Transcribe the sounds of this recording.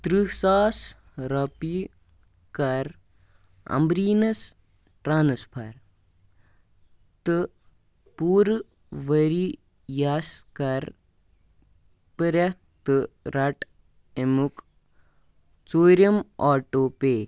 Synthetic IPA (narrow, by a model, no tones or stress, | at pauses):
t̪ɾisaːs | ɾɐpi | kɐɾ | ɐ̰mbɾiːnɐs | ʈɾaːnɐspʰɐɾ | t̪ɨ | puːɾ | ʋɐɾi | jaskɐɾ | pəɾɐ | t̪ɨɾɐʈ | emuk | t͡soːɾɐmaːʈoːpeː